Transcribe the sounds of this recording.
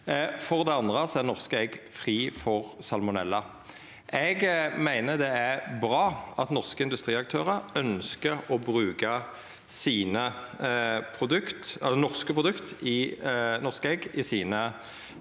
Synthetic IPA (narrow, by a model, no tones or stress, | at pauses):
fɔʁd̪ɛɑnd̪ʁəsɔæʁnɔʁskəɛɡfʁiːfɔʁsɑlmʊnɛlːə | ʔɛɡmæɪnəd̪ɛæʁbʁɑːɑt̪nɔʁskəɪnd̪ʉst̪ʁiːɑk̚t̪ʰøːʁəɾœnskəʁɔbʁʉːkə | siːnə | pʰʁʊd̪ʉkt̪ɛlːənɔʁskəpʁʊd̪ʉkt̪ɪnɔʁskəɛɡɪsiːnə